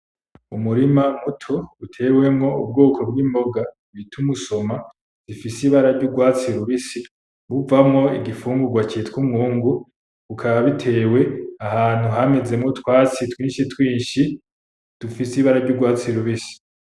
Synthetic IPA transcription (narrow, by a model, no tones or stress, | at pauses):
umuɾimamutʰo̞utʰe̞we̞mŋo̞ṵb̚ɡoːkʰo̞bɡiːmbo̞ɡa | βitʰumuso̞ma | z̥ifisiβaɾaɾɟuɡwaːt͡siɾuβisi | βuvamŋo̞iɡifuːŋɡuɡwat͡ʃietwumŋuːŋɡu | βukʰaβaβitʰe̞ːwe̞ahaːn̥huɦame̞ze̞mŋo̞twaːt͡sitwiːnʃitwiːnʃi | d̥ufisiβaɾaɾɟuɡwaːt͡siɾuβisi̥